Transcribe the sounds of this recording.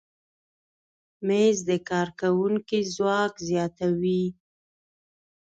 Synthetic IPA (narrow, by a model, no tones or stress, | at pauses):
mezd̪əkɑɾkawuŋkizwɑkzjɑt̪awi